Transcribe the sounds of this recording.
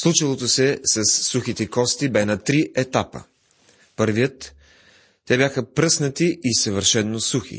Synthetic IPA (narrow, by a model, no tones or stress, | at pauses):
slˠut͡ʃilˠot̪osɛsɐsːuxit̪ɛkɔst̪ibɛnɐt̪ɾiʔɛt̪apə̰ | pɤɾvijət̪ː | ɛbjaxəpɾɤsnət̪iʔisəvəɾʃɛnːosuxḭ